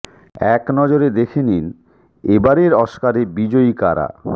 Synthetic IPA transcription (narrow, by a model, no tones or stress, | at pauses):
ɛknɔd͡ʑoɾed̪ekʰenin | ebaɾeɾɔʃkaɾebid͡ʑoikaɾa̰